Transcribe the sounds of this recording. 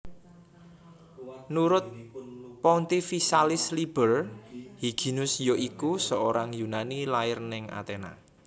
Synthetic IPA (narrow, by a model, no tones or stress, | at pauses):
nuɾʊt̪̚pɔnt̪ifisalɪslib̥ərhiɡ̥i̤nʊsjoʔikusəoɾaŋjunanilaɪrnɪŋʔa̰t̪ena̰